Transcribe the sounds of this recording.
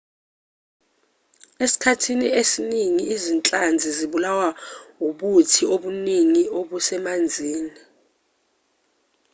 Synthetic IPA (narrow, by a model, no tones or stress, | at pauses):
esi̥kʰatʰiniesiniŋiizint͡ɬʼand͡zʱiziɓulawauɓutʰioɓuniŋioɓusɛmand͡zʱiːni